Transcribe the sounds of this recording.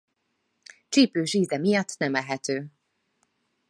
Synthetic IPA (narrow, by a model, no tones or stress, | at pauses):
t͡ʃiːpøːʒiːzɛmijɒt̪ːnɛmɛlɦɛt̪øː